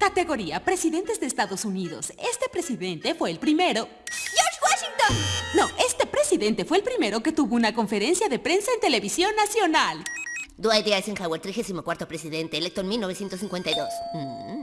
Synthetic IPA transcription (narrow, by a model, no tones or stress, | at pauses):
kat̪eɣo̞ɾiapɾe̞siðe̞nt̪ezðeːst̪aðo̞suniðo̰se̞st̪e̞pɾe̞siðe̞nt̪e̞fweːlpɾime̞ɾo | joʃɣwaʃiŋt̪onnoe̞st̪epɾesiðe̞nt̪e̞fweːlpɾime̞ɾo̞ket̪uβo̞unako̞ɱfe̞ɾe̞nsjaðe̞pɾe̞nsaent̪e̞le̞βisjo̞nːasjo̞nald̪oajðeaeseŋxaweɾt̪ɾixesimokwaɾt̪opɾesiðent̪eeːlek̚t̪oenmilnoβesje̞nt̪osiŋkwe̞nt̪ajðos̩